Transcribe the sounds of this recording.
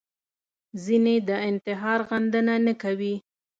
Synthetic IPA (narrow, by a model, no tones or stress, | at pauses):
zined̪əɪnt̪ɪɦɑɾɣand̪ənanəkawi